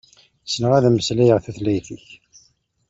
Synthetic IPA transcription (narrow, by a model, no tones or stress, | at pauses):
sənəʁæðæməslæjəʁθæθlæjθiç